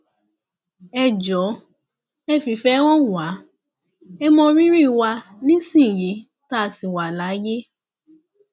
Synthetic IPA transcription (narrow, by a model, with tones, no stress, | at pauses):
ɛ˧d͡ʒɔ˨˦ | ɛ˦fi˨fɛ˧˦w̃ɔ̃˦˨wa˨˦ | ɛ˧mɔ̃˧ɾĩ˦ɾĩ˦˨wa˧nĩ˦sĩ˦˨ji˨˦ | ta˦˨si˨wa˨la˨˦je˦